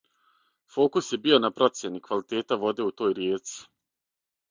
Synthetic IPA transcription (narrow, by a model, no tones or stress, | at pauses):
fo̞ːkusje̞bio̞napɾo̞t̪sje̞nikʋalit̪e̞ːt̪aʋo̞d̪e̞ːut̪o̞ːjɾjeːt̪si̥